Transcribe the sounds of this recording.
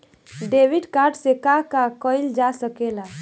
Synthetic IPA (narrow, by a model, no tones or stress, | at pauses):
ɖebiɖkaɾɖsekakakəjld͡ʒasəkela